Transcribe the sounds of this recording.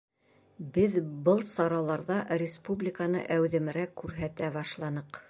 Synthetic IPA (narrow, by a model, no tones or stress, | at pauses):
bɘðbɤlˠsɑɾɑlˠɑɾðɑrʲɪspublʲɪkanɤ̰ʔæwðɘ̆m̆ɾækːʉɾɦæt̪æbɑʃlˠɑnɤq